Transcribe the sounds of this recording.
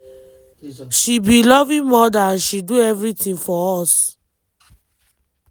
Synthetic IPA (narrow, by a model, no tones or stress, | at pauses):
ʃibilɔvĩmɔdaaʃiduɛvɾitĩnfɔɔs